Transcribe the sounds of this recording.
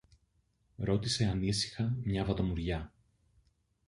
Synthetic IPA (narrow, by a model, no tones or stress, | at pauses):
ɾo̞t̪ise̞ɐnisi̥xɐmɲɐvɐt̪o̞muɾʝɐ